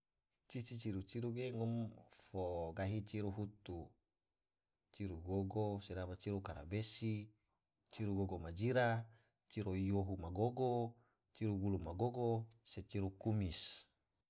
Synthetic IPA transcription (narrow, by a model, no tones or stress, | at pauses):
t͡ʃit͡ʃit͡ʃiɾut͡ʃiɾuɡeŋɔmfoɡaɦit͡ʃiɾuɦut̪u | t͡ʃiɾuɡoɡosedapat͡ʃiɾukaɾa̰besi | t͡ʃiɾuɡoɡomad͡ʒiɾa | t͡ʃiɾojoɦumaɡoɡo | t͡ʃiɾuɡulumaɡoɡoset͡ʃiɾukumis